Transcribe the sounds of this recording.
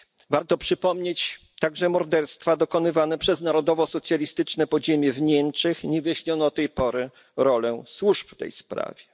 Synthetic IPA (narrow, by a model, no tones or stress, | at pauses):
vaɾt̪ɔpʂɘpɔmɲet͡ɕ | t̪aɡʐɛmɔɾd̪ɛɾst̪fad̪ɔkɔnɘvanɛpʂɛznaɾɔd̪ɔvɔsɔt̪sʲjalʲist̪ɘt͡ʂnɛpɔʑemʲjɛvɲɛmt͡ʂɛxɲɛvjaɕɲɔnɔt̪ːɛjpɔɾɘ | ɾɔlɛswuʂpft̪ɛ̰jspɾa̰vʲjɛ